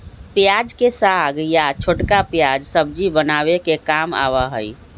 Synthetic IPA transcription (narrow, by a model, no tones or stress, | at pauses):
pjad͡ʒkesaɡjat͡ʃʰoʈkapjad͡ʒsəbd͡ʒibənaβekekama̰ʋaɦəj